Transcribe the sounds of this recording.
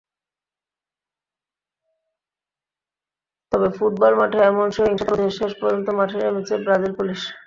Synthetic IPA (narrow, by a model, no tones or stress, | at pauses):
t̪ɔbefuʈ̚bɔlmaʈʰaɛmonʃeɾiŋʃapod̪ʱeɾʃeʃpoɾd͡ʑont̪omaʈʰeɾemit͡ɕebɾad͡ʑelpuliʃ